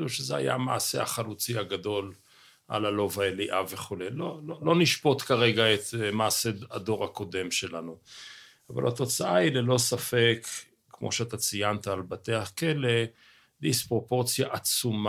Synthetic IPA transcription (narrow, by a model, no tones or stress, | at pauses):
uʃezea̰ja̰ma̰ːsea̰χalut͡siaɡad̪o̞l | ʔa̰lalo̞vaeliʔave̞χulejlololo̞niʃpo̞t̪kaʁe̞ɡaet̪maːsead̪o̞ʁako̞d̪e̞mʃe̞lanu | ava̰lhat̪o̞t͡saailelo̞safekː | mo̞̰ʃeat̪at͡sijant̪aːlbat̪eakele̞ | dispʁo̞po̞ʁt͡sjaʔat͡sum